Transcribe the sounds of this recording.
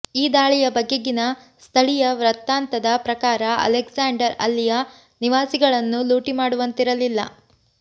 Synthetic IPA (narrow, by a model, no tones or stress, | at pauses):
iːd̪aːɭijɐbɐɡːeɡinɐ | st̪ʰɐɭijɐʋɾɐt̪ːaːnt̪ɐd̪ɐpɾɐkaːɾɐɐ̰leksaːɳɖɐɾɐ̰lːijɐ | niʋaːsiɡɐɭɐnːuluːʈimaːɽuʋɐnt̪iɾɐlilːɐ̰